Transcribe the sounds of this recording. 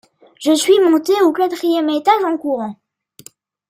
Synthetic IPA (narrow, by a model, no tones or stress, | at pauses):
ʒəsɥimɔ̃t̪eokat̪χijɛmet̪aʒɑ̃kuʁɑ̃